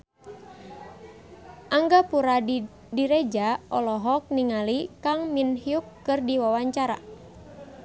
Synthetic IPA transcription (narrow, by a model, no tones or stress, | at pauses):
ʔaŋɡapuɾa | diɾed͡ʒaɔlɔɦɔk̚niŋalikaŋminhiukːɨrdiwawaɲt͡ʃaɾa̰